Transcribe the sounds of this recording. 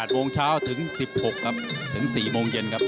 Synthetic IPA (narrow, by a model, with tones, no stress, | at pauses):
t̪̚moː˧ŋt͡ɕʰaː˦˥˩wt̪ʰɯ˩˦˥ŋsi˨˩p̚ho˨˩kʰːa˦˥p̚t̪ʰɯ˩˦ŋsiː˨˩moː˧ŋje˧nkʰa˦˥p̚